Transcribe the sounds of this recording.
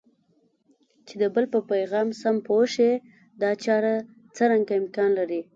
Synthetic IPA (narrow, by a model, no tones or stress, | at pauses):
t͡ʃed̪əbəlpəpajɣɑmsampoʃe | d̪ɑt͡ʃɑɾa | t͡səɾaŋɡaɪmkɑnlaɾi